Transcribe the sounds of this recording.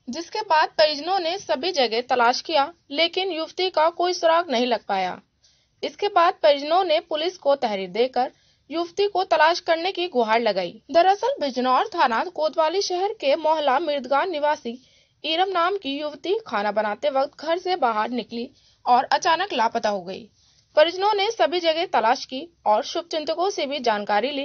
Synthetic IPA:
d͡ʒɪskebaːd̪̚peːɪd͡ʒnõnesɐbʱid͡ʒɐɡɛt̪ɐlaːʃkijaleːkɪnjʊʋt̪ikakoːisʊɾaːɡnɐɦĩlɐɡ̚paːja̰ː | ɪskebaːd̪̚peːd͡ʒnõnepʊlɪskot̪ɛɦɾiːɾd̪eːkəɾ | jʊʋt̪ikot̪ɐlaːʃkəɾnekiɡʊɦaːɾlɐɡaːḭːd̪əɾəsəlbʱɪd͡ʒnɔːɾt̪ʰaːnaːt̪koːd̪ʋaːliʃɛɦɛɾkemɔːɦlamɪɾd̪ɡaːnːɪʋaːsi | iːɾəmnaːmkijʊʋt̪ikʰaːnabɐnaːt̪eʋɐk̚t̪̚ɡʱɐɾsebaːɦaɾnɪkli | ɔːɾɐt͡ʃaːnəklaːpət̪aɦoɡɐḭː | pəɾɪd͡ʒnõnesɐbʱid͡ʒɐɡet̪ɐlaːʃkiɔːɾʃʊb̚t͡ʃɪ̃nt̪əkõsebʱid͡ʒaːnkaːɾiliː

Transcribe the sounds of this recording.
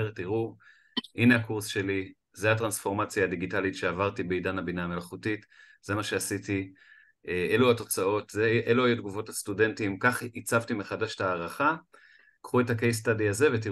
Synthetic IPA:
ʁtiʁu | ʔineakuʁsʃe̞li | ze̞at̬ʁansfo̞ʁmat͡sjaːd̪iɡitalitʃeavaʁtibeidanhabinaːme̞laχutit | zemaʃe̞asiti | eeluato̞t͡sao̞tzeʔeluajud̪̚ɡuvo̞tastude̞ntimkaχit͡savtimeχadaʃe̥taːʁaχa | kχue̞takejs̬tadiaze̞vet̬i

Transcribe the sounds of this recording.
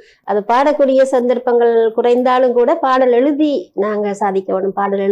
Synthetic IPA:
ʔɐðɯpaːɽɐkːuːɽɪjɐsɐnd̪ɐɾpːɐŋɡɐɭkʊrɐɪnd̪aːlɯmkuːɽɐpaːɽɐlɛɻɯðinaːŋɡɐsaːðɪkʲːɐʋeːɳɖɯmpaːɽɐlɛɻ

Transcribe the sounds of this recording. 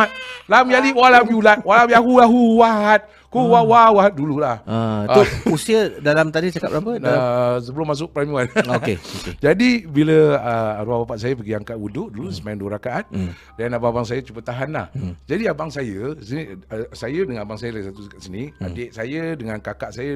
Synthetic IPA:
at̪̚lamjaliwalamjulat̪̚walamjaɦulaɦuwaɦat̪̚ | kuwawawaɦat̪̚dululahat̪usiədalamt̪adit͡ʃakap̚apəas̬əbəlʊmas̬ʊʔ̚pɾaɲuanokeoked͡ʒadibiləəɾuahbapaʔsajəpəɡiaŋkaʔudʊʔdulusəmajaŋduwəɾakaʔat̪̚ | danababaŋs̬ajət͡ʃubət̪aɦanla̰hd͡ʒadiabaŋsajəsənisajədəŋanabaŋsajəlaisat̪ukat̪sənia̰deʔ̚sajədəŋankakaʔsajə

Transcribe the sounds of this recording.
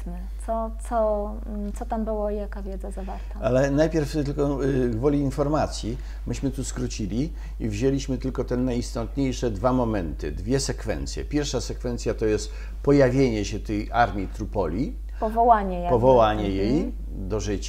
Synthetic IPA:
mɘt̪sɔt̪sɔ | t̪sɔt̪ambɘwɔijakavʲjɛd̪zazavaɾt̪aalɛnajpʲjɛɾfɘlkɔɡvɔlʲiinfɔɾmat̪sʲji | mɘɕmɘt̪uskɾut͡ɕilʲi | ivʑelʲiɕmɘt̪ɘlkɔt̪ɛnːajist̪ɔt̪ɲejʂɛd̪vamɔmɛnt̪ɘ̰d̪vʲjɛsɛkfɛ̰nt̪sʲjɛ̰pʲjɛɾfʂasɛkfɛnt̪sʲjat̪ɔjɛst̪ | pɔjavʲjeɲɛɕɛt̪ɛjaɾmʲjit̪ɾupɔlʲi | pɔvɔwaɲɛjpɔvɔwaɲɛjej | d̪ɔʐɘt͡ɕa

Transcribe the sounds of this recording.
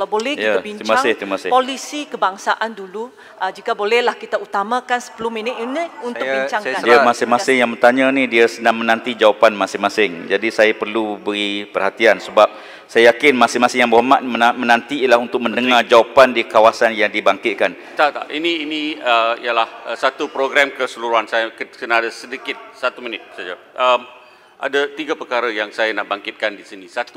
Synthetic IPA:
kalawbolɛhkjiat̪abiɲt͡ʃmaasŋɪt̪imasɪpolisikəbaŋsaʔandulu | əd͡ʒikabolɛhlahkit̪aut̪amãkansə̥pəlʊminiiniunt̪ʊbiɲt͡ʃaŋdiamasɪmasɪŋjaŋbət̪aɲanidiasənaŋmənant̪id͡ʒawapanmasɪŋmasɪŋd͡ʒadisajapərlubəɾipərhat̪iansəbap̚ | sajajakɪnmasɪŋmasɪŋjaŋbəɦomat̪̚mənãnt̪iiəlahunt̪ʊk̚məndəŋard͡ʒawapandikawasanjaŋdibaŋkɪt̪̚kan | t̪at̪aʔinĩːnĩəḭjalahsat̪upɾoɡɾɛmkəsəluɾuɦansajakəkənaadasədikɪt̪̚sat̪umənɪt̪̚sad͡ʒa | ʔəm | ʔa̰dat̪iɡapəkaɾajaŋsajanaʔbaŋkɪt̪̚kandisinĩsat̪u

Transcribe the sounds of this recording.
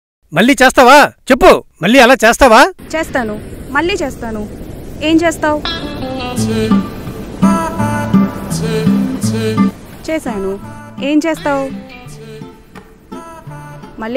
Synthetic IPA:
mɐlːiːt͡ʃɛːst̪aːʋaːt͡ʃepːumɐlːiːɐlaːt͡ʃeːst̪aːʋaːt͡ʃeːst̪aːnumɐlːiːt͡ʃeːst̪aːnueːmt͡ʃeːst̪aːwu | t͡ʃeːsaːnue̞ːmt͡ʃeːst̪aːw | mɐlː

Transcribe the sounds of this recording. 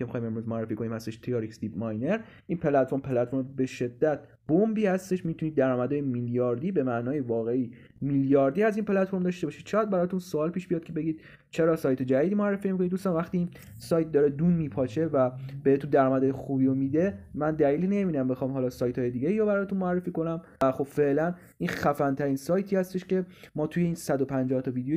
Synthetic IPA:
kʰʲemixɒːjme̞mɾuzmoæɾrːefiːkʰo̞nimhæst̪eʃt̪ʰejɑɾiksd̪iːbmɒjne̞ɾ | ʔiːnpʰe̞læt̪foɾmpʰelæt̪foɾmbe̞ʃe̞d̪ːæt̪̚ʰ | b̥ombiːhæst̪e̞ʃmit̪ʰunid̪ːæɾɒːmæd̪ɒːjemiljɒːɾd̪iːbe̞mæʔnɒːjevɒːɣeʔiː | miljɒːɾd̪iːæziːnpʰe̞læt̪fo̞ɾmd̪ɒʃt̪e̞bɒːʃid̪t͡ʃʰːjæd̪̚bæɾɒːt̪ʰunsoɒːlpʰiːʃbijɒːd̪̚cʰe̞beɟiːd̪̥̚ | t͡ʃʰe̞ɾɒːsɒːjt̪ʰe̞d͡ʒæd̪iːd̪iːmoærːefiːmik̬ʰonid̪ust̪ɒnvæxt̪iin | sɒːjt̪̚d̪ɒːɾed̪unmiːpʰɒt͡ʃʰe̞væb̥ehet̪und̪æɾɒːmæd̪ɒːjexubiomid̪e̞mænd̪æliːline̞minæmbe̞xɒːmɦɒːlɒːsɒːjt̪ʰɒːjed̪iɟeiɾobæɾɒːt̪unmoærːe̞fiːko̞næm | æxo̞b̥fe̞ʔlæn | ʔinxæfænt̪ʰæɾiːnsɒːjt̪ʰiːhæst̪e̞ʃce̞mɒːt̪ʰuje̞iːnsæd̪opʰænd͡ʒɒht̪ʰɒviːd̪ejo

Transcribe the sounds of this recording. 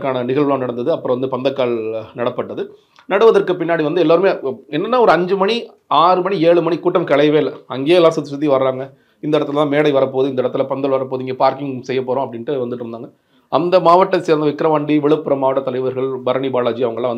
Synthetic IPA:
kːaːnɐnɪɣɐɭlãːnɐɽɐnd̪ɐðɯɐpːɯɾɐ̃ʋɐnd̪ɯpɐnd̪ɐkːaːɭnɐɽɐpːɐʈːɐðɯ | nɐɽɯʋɐðɐɾkɯpɪnːaːɽiʋɐnd̪ɯɛlːaːɾɯmeːɛnːɐnːaːɔɾɯɐɲd͡ʒɯmɐɳi | aːɾɯmɐɳieːɭɯmɐɳikuːʈːɐmkɛɭɐɪʋeːɪlːɐɐŋɡeːɛlːaːɾsɐt̪ːɪsɐt̪̬ːiʋɐɾɾaːŋɡɐ | ɪnɐɪɽɐt̪ːɯlɐt̪ãːmeːɽɐɪʋɐɾɐpoːðɯɪnd̪ɐɛɽɐt̪ːɪlɐpɐnd̪ɐɭʋɐɾɐp̬ːoːðɯɪŋɡeːpaːɾkɪŋsɛjːɐpːoːɾõːɐpːɐɽɪnʈːɯʋɐnd̪ɯʈːɪɾɯnd̪aːŋɡɐ | ɐnd̪ɐmaːʋɐʈːɐseːɾɐnd̪ɐʋɪkːɾɐʋaːɳɖiʋɛɭɯpːɯɾɐmaːʋɐʈːɐt̪ːɐlɐɪʋɐɾɣɐɭbɐɾɐɳibaːlaːd͡ʒiɐʋɐŋɡɐɭlãːʋɐn

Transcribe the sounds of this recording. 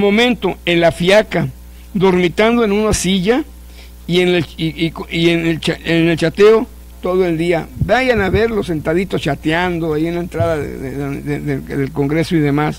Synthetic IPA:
mo̞mẽ̞nt̪o̞e̞nlafjaka | d̪o̞ɾmit̪and̪oenunasiʝa | ienekienelt͡ʃaenelt͡ʃat̪eo | t̪oðoe̞ld̪iabaʝanaβe̞ɾlose̞nt̪aðit̪ost͡ʃat̪eand̪oajienlaent̪ɾaðaðḛḛeðeðelko̞ŋɡɾe̞soiðe̞mas

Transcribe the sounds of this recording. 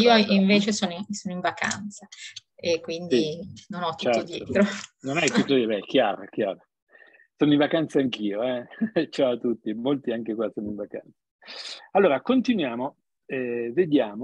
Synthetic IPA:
iːoiɱveːt͡ʃesoːnoisonoiɱvaka̰nt̪saekːwind̪iinonɔt̪ːt͡ʃut͡ʃɛoɾtd̪j̪ɛot̪ɾononɛt̪ut̪ːoibɛk̟jaːɾak̟jaːɾa | soːnoiɱvakant̪saːŋk̟iːoɛt͡ʃaoat̪ut̪ːimolt̪iaŋkekwasoːnoiɱvaka̰nt̪sḁalːoːɾakont̪inwjaːmo | ɛved̪jaːmo

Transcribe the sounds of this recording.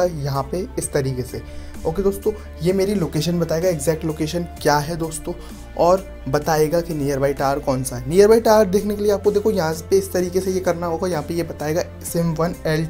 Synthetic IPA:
ajɐɦãpeɪst̪ɐɾiːkese | oːked̪oːst̪õː | jemeːɾiloːkeːʃ̬ənbɐt̪aːeːɡaeɡzɛːk̚ʈloːkeːʃənkjaːɦɛd̪oːst̪õː | ɔːɾ | bɐt̪aːeːɡakinijəɾbaːiʈaːɾɾkɔːnsaɦɛniːjəɾʋaːiʈaːɾʈd̪eːkʰnekelieaːp̚kod̪eːkʰojɐɦãpeɪst̪ɐɾiːkesejekɐɾnaɦoːɡajɐɦãpejebɐt̪aːeːɡa | sɪmʋɐnɛːl

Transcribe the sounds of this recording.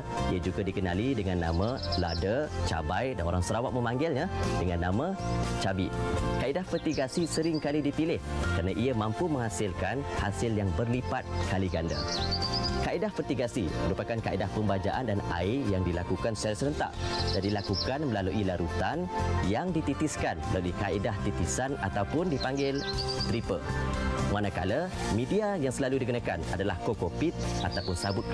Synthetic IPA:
iad͡ʒuɡadikənalidəŋanːamãladət͡ʃa̰bajdanoɾaŋsəɾawat̪ʔ̪̚mə̃mãŋɡɪlɲadəŋanːamãt͡ʃabikaʔidahfərt̪iɡasisəɾɪŋkalidipilɪhkəɾənaʔiəmãmpumə̃ŋhasɪlkanhasɪljaŋbərlipat̪̚kaliɡanda̰ | kaʔidahfət̪iɡasiməɾupakankaʔidahpəmbad͡ʒa̰ʔandana̰ijaŋdilakukansuaɾasələnt̪a̰ʔd͡ʒandilakukanməlaluʔilaɾut̪anjaŋdit̪it̪iskanməlaluʔikaʔidaht̪it̪isanat̪awpʊndipaŋɡɪlt̪ɾipə | manãka̰lamĩdiajaŋsəlaludikənãkanadalahkokofit̪̚at̪awpʊnsabʊt̪̚

